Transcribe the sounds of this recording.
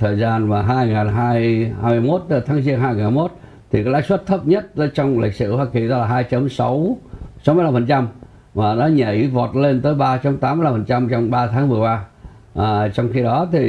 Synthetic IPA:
t̪ʰəː˨˩jzaː˧nmaː˨˩ɦaː˧jŋaː˨˩nɦaː˧jhaː˧jmɨ˧əjmo˦˥t̚t̪ɨ˧˦t̪ʰaː˨˦ŋzi˧ənhaː˧jŋaː˨˩nhaː˧jmo˦˥t̚ | t̪ʰi˨˩kaː˨˦kla̰ː˧˥jswə˦˥t̚t̪ʰə˦˥p̚ɲə˦˥t̚t̪əː˨˦jt͡ɕɔ˧wŋ͡mlï˨˩k̟̚sɨ̰˧˨hwaː˧ki˨˩ɗɔ˨˦laː˨˩ɦaː˧jt͡ɕə˨˦msɔ˨˦wsɔ˨˦wm˧jla˧mfə˨˩nt͡ɕa˧m | vaː˨˩ɗɔ˨˦ɲə˧˩ʔi˨˦vɔ˨˩t̚le˧nt̪əː˨˦jɓaː˧t͡ɕə˨˦mt̪aː˨˦mɨ˧jla˧mfə˨˩nt͡ɕa˧mt͡ɕɔ˧wŋ͡mɓaː˧t̪ʰaː˨˦ŋvɨ˨˩əjɓaː˧ | ʔəː˨˩t͡ɕɔ˧wŋ͡mxi˧ɗɔ˨˦t̪ʰi˨˩

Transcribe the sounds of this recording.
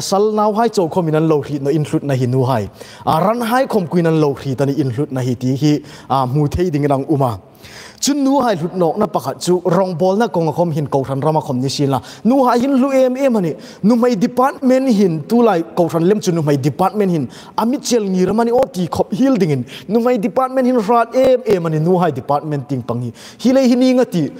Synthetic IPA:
sɐ˧lnaː˧wɦaː˦jt͡sɔ˨wkʰɔ˧mi˨na˧nlɔ˨wɾi˨t̪̚na˨ʔi˨nɬu˧t̪̚na˨ɦi˧nu˨ɦa˧j | ɾa˦nɦa˦jkʰɔ˧˨mku˨jna˧˨nlɔ˨wr̥i˨t̪a˧ni˧˨ʔːnɬu˧t̪̚na˨ɦi˧t̪i˨ɦi˧˨ | m̥u˨t̪ʰe˧jdi˨ŋina˨ŋʔu˧ma˨ | t͡su˦nːu˦ɦaː˧jɬu˨t̪̚nɔː˨k̚na˦pɐ˨kʰa˨t̪̚t͡su˦ɾɔ˧ŋbɔ˧lna˦kɔ˨ŋa˨kʰɔ˧mɦi˨nkɔ˨wrʰa˨nra˦ma˧˨kʰɔ˧˨mni˧si˧na˨ | nu˧ɦaː˧jɦi˦nlu˦ɛ˧mɛ˦ma˨ni˨ | nu˧m̥ɐ˧jdi˨pa˦t̪̚mɛ˦nɦi˨nt̪u˦laː˧˨jkɔ˧wrʰa˨nlɛ˦mt͡su˧nu˨mɐ˧jdi˨pa˦t̪̚mɛ˦nhi˧n | ɐ˨mi˦t̚t͡ʃɛ˧lŋi˨ɾa˦ma˧ni˧˦ʔɔ˦t̪i˨kʰɔ˧p̚ɦi˦ldi˨ŋi˨nnu˧m̥ɐ˨jdi˨pa˦t̪̚mɛ˦nthi˦nɾa˧˦t̪̚ɛ˦mʔɛ˧ma˨ni˨nu˧˦ɦa˧jdi˨pa˧t̪̚mɛ˦ntd̪i˨ŋpa˨ŋi˨ | hi˦le˦jhi˦ni˧ŋa˦t̪i˨

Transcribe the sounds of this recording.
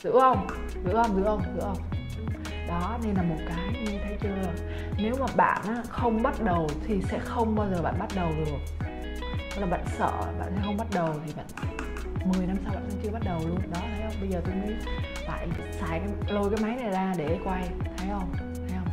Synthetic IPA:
z̥ɨ̰˧˥hə˧wŋ͡m | zɨ̰˧˥hə˧wŋ͡mzɨ̰˧˥hə˧wŋ͡mzɨ̰˧˥hə˧wŋ͡m | ɗɔ˨˦ne˧nlaː˨˩mo˨˩t̚kaː˨˦jɲɨ˧t̪ʰə˨˦jt͡ɕɨ˧laː˨˩ | ne˨˦wmaː˨˩ɓa̰ː˧˨nʔaː˨˥xə˧wŋ͡mɓa˦˥t̚ɗə˨˩wt̪ʰi˨˩sɛ̰˧˥xə˧wŋ͡mɓaː˧wzəː˨˩ɓa̰ː˧˨nɓa˦˥t̚ɗə˨˩wɗɨ˨˩ək̚ | klaː˨˩ɓa̰ː˧˨nsə̰ː˧˨ɓa̰ː˧˨nsɛ̰˧˥xə˧wŋ͡mɓa˦˥t̚ɗə˨˩wt̪ʰi˨˩ɓa̰ː˧˨n | mɨ˨˩əjna˧msa˧wɓa̰ː˧˨kʊ̰˧˥t͡ɕɨ˧ə˧ɓa˦˥t̚ɗə˨˩wlu˧ənɗɔ˨˦t̪ʰə˨˦jhə˧wŋ͡mɓə˧jzəː˨˩t̪o˧jmḭ˧˥ | fa̰ː˧˨j | saː˨˩jkaː˨˦jlo˧jkaː˨˦jma˨˦jna˨˩jzaː˧ɗe˧˩ə˨˦jkwa˧jt̪ʰə˨˦jxə˧wŋ͡m | t̪ʰə˨˦jə˧wŋ͡m

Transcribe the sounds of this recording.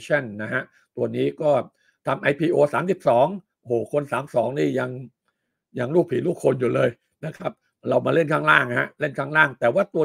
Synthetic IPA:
t͡ɕʰa˥˩nːa˦˥ɦa˦˥ʔ | t̪u˧ɐniː˦˥kɔː˥˩ | t̪ʰa˧mʔa˧jpʰiː˧ʔoː˧saː˩˦msi˨˩p̚sɔː˩˦ŋ | ʔo˧hoː˨˩kʰo˧nsaː˩˦msɔː˩˦ŋniː˥˩ja˧ŋ | ja˧ŋluː˥˩k̚pʰiː˩˦luː˥˩kʰːo˧njuː˨˩lɤː˧j | na˦˥kʰa˦˥p̚ | ɾa˧wmaː˧le˥˩nkʰaː˥˩ŋɾaː˥˩ŋha˦˥ʔle˥˩nkʰaː˥˩ŋɾaː˥˩ŋt̪ɛː˨˩waː˥˩t̪u˧ɐ

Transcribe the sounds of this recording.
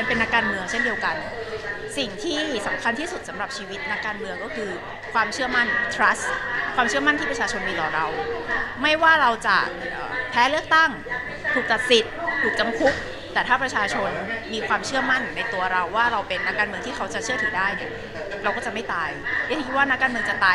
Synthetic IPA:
ma˧npe˧nːa˦˥kːaː˧nmɯ˧əŋt͡ɕʰe˥˩ndi˧əwka˧n | si˨˩ŋt̪ʰiː˥˩sa˩˦mkʰa˧nt̪ʰiː˥˩su˨˩t̪̚sa˩˦mɾa˨˩p̚t͡ɕʰiː˧wi˦˥t̪̚na˦˥kːaː˧nmɯ˧əŋkɔː˥˩kʰɯː˧ | kʰwaː˧mt͡ɕʰɯ˥˩ɐma˥˩nt̪ʰɾa˦˥skʰwaː˧mt͡ɕʰɯ˥˩ɐma˥˩nt̪ʰiː˥˩pɾa˧t͡ɕʰaː˧t͡ɕʰo˧nmiː˧t̪ɔː˨˩ɾa˧wma˥˩jwaː˥˩ɾa˧wt͡ɕa̰˨˩ʔə̰ː˨˩pʰɛː˦˥lɯ˥˩ək̚t̪a˥˩ŋ | t̪ʰuː˨˩k̚t͡ɕa˨˩t̪̚si˨˩t̪̚t̪ʰuː˨˩k̚t͡ɕa˧mkʰu˦˥k̚ | t̪ɛː˨˩t̪ʰaː˥˩pɾa˧t͡ɕʰaː˧t͡ɕʰo˧nmiː˧kʰwaː˧mt͡ɕʰɯ˥˩ɐma˥˩nːa˧jt̪u˧ɐɾa˧wːaː˥˩ɾa˧wpe˧nːa˦˥kːaː˧nmɯ˧əŋt̪ʰiː˥˩kʰa˦˥wt͡ɕa˨˩t͡ɕʰɯ˥˩ət̪ʰɯː˩˦daː˥˩jni˥˩ɐ | ɾa˧wkɔː˥˩t͡ɕa˨˩ma˥˩jt̪aː˧jʰa˦˩kʰi˦˥waː˥˩na˦˥kːaː˧nmɯ˧əŋt͡ɕa˨˩t̪aː˧

